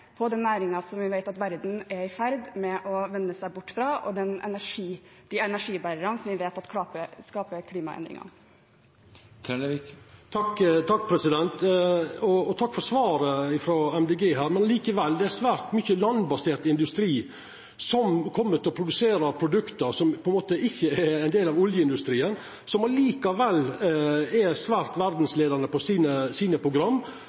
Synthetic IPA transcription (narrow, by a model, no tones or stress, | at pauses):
pʰɔd̪ɛnːæːɾɪŋɑsɔmʋɪʋæɪt̪ɑt̪ʋæɾd̪n̩ɛɪfæɾd̪mɛʔɔʋɛnːəsæɪbʊʈːfɾɑːʔɔ̰d̪ɛnɛ̰næʂiːd̪̥iɛnæʂiːbæɾəɾɑnsɔmʋɪʋeːt̪ɑt̪kʰɑːpəskɑːpəɾkʰliːmɑ̰ɛ̰nd̪ɾɪ̰ŋɑ̰ | t̪ʰɑkːt̪ʰɑkːpʰɾɛsɪd̪ɛnt̪ɔɔt̪ʰɑkːfɔɾsʋɑːɾəɪfɾɔːɛmd̪ɛɡeːɦæːɾmɛnliːkəʋɛlːd̪ɛæsʋæːɾt̪mʏçəlɑnbɑseːɾt̪ɪnd̪ʉst̪ɾiː | sɔmkʰɔmːət̪ʰɪlɔpʰɾʊd̪ʉseːɾəpʰɾʊd̪ʉkt̪əɾsɔmpʰɔɛnmoːt̪əɪçːəɛɛɪnd̪eːlɑʋʊljəɪnd̪ʉst̪ɾiːən | sɔmɑliːkɑʋɛlː | ɛsʋæːɾt̪ʋæɾd̪n̩sleːd̪əɾnəpɔsiːnəsiːnəpʰɾʊɡɾɑmː